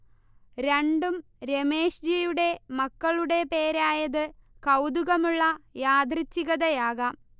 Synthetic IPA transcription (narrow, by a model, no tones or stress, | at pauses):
ɾeɳɖum | ɾe̞meːʂd͡ʑijuɽe̞mɐkːɐɭuɽe̞pe̞ːɾaːjɐðɨkɐwd̪uɣɐmuɭːɐjaːd̪rit͡ɕːiɣɐðɐjaːɣɐm